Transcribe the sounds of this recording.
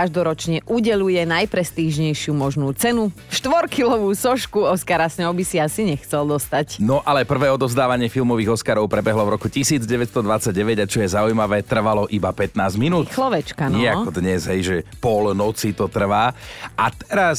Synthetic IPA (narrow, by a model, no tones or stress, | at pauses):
kaʒd̪ɔɾɔt͡ʃɲɛʔuɟɛʎujɛnajpɾɛst̪iːʒɲɛjʃɪumɔʒnuːt͡sɛnu | ʃt̪ʋɔɾkilɔʋuːsɔʃkuɔskaɾasɲɛʊbisiasiɲɛxt͡sɛld̪ɔst̪acnɔʔalɛpr̩ʋɛːɔd̪ɔvzd̪aːʋaɲɪɛfilmɔʋiːɣɔskaɾɔʊpɾɛbɛɦlɔvɾɔkucisiːd͡zɟɛʋɛtst̪ɔd̪ʋat͡sːaɟ̚ːɛʋɛɟat͡ʃɔjɛzaujmaʋɛːt̪r̩ʋalɔʔibapɛt̪naːzminuːt̪xlɔʋɛt͡ʃkanɪɛakɔd̪ɲɛzɦɛjʒɛpɔlnɔt͡sit̪ɔt̪r̩ʋaːat̪ɛɾas